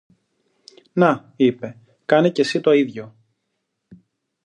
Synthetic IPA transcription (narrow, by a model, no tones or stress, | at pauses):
nɐ | ipe̞ | kɐnece̞sit̪o̞iðʝo̞